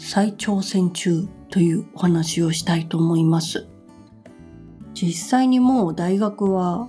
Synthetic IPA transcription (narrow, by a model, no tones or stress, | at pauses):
sait͡ɕo̞ːsẽ̞ɲ̟t͡ɕɨːt̪o̞jɯ̟ːohanaɕio̞ɕi̥t̪ait̪o̞ːmo̞imasɨ | d͡ʑisːaiɲ̟imo̞ːd̪aiɡakɯ̟βa